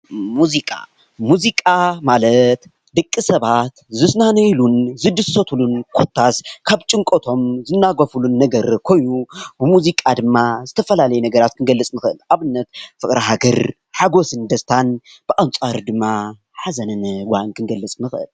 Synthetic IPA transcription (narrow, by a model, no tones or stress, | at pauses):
muzikʼa̰ | muzikʼamalɐt̪ | d̪ɐkʼːɨsɐβat̪zɨsnanɐjlunzɨd̪ɨsot̪ʰulunkʰot̪ʰːaskʰaβt͡ʃʼɨŋkʼot̪ʰo̞mzɨnːaɡofulunːɐɡɐɾkʰo̞jnubɨmuzikʼad̪ɨmːazɨt̪ʰɐfɐlalɐjɛnɐɡɐɾat̪̚kʰɨnɡɐlːɨt͡sʼnɨxɨ̰lʔaβɨnːɐt̪fɨkʼɾɐɦaɡɐɾ | ħaɡo̞sɨnd̪ɐst̪ʰan | b̥ɨʔant͡sʼaɾd̪ɨmːa | ħazɐnɨnwankʰɨnɡɐlːɨt͡sʼnɨxɨ̰l